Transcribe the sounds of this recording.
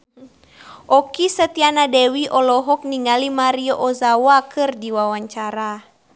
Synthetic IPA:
ʔɔkisət̪ianadɛwiʔɔlɔɦɔk̚niŋalimaɾiɔʔɔzawakɨrdiwawaɲt͡ʃaɾa

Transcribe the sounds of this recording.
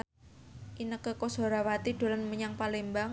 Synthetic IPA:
ʔinəkəkoso̤ɾawat̪id̥o̤lanməɲaŋpalembaŋ

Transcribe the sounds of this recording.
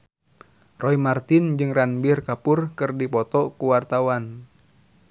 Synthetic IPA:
rɔimart̪ɪnd͡ʒɨŋranbɪrkapʊrkɨrdipɔt̪ɔkuwart̪awan

